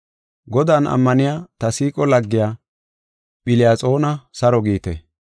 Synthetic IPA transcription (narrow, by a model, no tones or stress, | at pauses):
ɡɔd̪aːnɐ̰mːɐnɪjaːt̪ɐsiːkʼɔlɐɡːɪjaː | ɓɪlɪjaːt͡sʼo̞ːnɐsɐɾɔɡiːt̪ɛ